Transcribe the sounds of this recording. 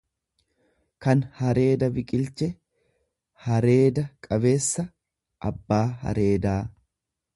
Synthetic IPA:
kɐnhɐɾe̞ːd̪ɐbɪkʼɪlt͡ʃɛ | hɐɾe̞ːd̪ɐkʼɐbe̞ːsːɐ | ʔɐbːaːɦɐ̰ɾe̞ːd̪aː

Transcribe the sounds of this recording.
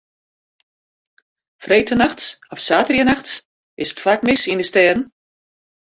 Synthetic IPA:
frejtʰənaxtsɔfsaːtərjənaxts | ɪsə̥tfakmɪsindəstɛːdn̩

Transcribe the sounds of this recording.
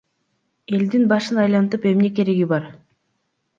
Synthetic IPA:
e̞ld̪inbɑʃɯnɑjlˠɑnt̪ɯpe̞mne̞ke̞ɾe̞ɡibɑɾ

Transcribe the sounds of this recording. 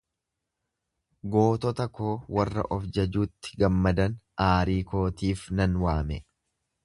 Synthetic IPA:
ɡo̞ːt̪ɔt̪ɐkoːwɐrːɐ̰ʔɔfd͡ʒɐd͡ʒuːt̪ːɪ̥ɡɐmːɐd̪ɐnʔaːɾiːko̞ːt̪iːfnɐnwaːmɛ

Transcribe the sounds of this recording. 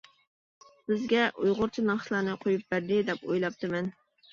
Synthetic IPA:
bɪzɡʲɛʔujʁʊɾt͡ʃʰinɑχʃlˠɑːnɨqʰojup̚bæɾd̪ɪd̪ɛpo̰jlˠɑp̚t̪ʰɨmɛn

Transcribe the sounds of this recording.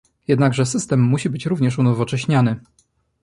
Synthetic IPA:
jɛd̪naɡʐɛsɘst̪ɛmːuɕibɘt͡ɕɾuvɲɛʂunɔvɔt͡ʂɛɕɲanɘ

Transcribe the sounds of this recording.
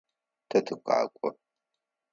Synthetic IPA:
tʰɐtʰɨkʷa̰ːkʷʼɔ

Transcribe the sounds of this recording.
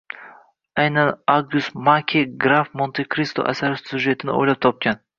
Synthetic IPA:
ajnanaɡʊst̪makʲʰeɡɾafmont̪ʰekʰɾist̪o̰ʔa̰saɾɪsʲud͡ʒʒe̞t̪ʰɪnɪ̰o̰jlap̚t̪ʰɒp̚kʲan

